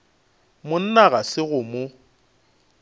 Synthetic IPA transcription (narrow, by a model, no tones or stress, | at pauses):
mʊn̩naɣasɪɣʊmʊ